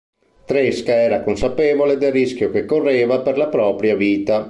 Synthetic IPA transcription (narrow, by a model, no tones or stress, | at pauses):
t̪ɾeskaɛːɾakonsapeːvoled̪elrisk̟jokekːorːeːvaperlapɾɔːpɾjaviːt̪a